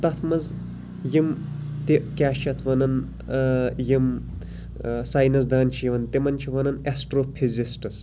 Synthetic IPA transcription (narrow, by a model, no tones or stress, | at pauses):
t̪ɐt̪ʰmɐz | jimt̪iʔkʲaːʃt͡ʃʰɐt̪ʰʋɐnɐn | jim | saːjnɐs̬d̪aːnt͡ʃʰijiʋɐnt̪imɐnt͡ʃʰiʋɐnɐnesʈɾoːpʰizisʈɨs